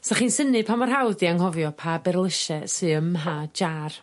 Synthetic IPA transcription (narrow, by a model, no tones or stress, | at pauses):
saχinsənɨpʰamɔrɦawdiaŋhɔvjɔpʰabɛrlˠəʃɛsɨəmɦad͡ʒar